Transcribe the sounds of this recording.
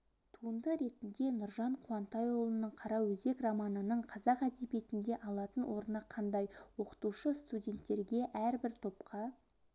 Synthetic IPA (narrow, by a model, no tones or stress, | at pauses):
t̪ʰuənd̪əɾe̞t̪ɪnd̪e̞nʊɾʒɑɴqʰuɑnt̪ɑjolˠənəɴqʰɑɾɑwɵzɡ̪e̞kramɑnənəɴqʰɑzɑqæd̪e̞be̞t̪ɪnd̪e̞ʔɑlˠɑt̪ənwo̞ɾnɑqʰɑnd̪ɑjwo̞qə̥t̪uʃəst̪udʲe̞nt̪ːe̞ɾɡʲe̞ʔæɾbɪɾt̪ʰo̞pqʰɑ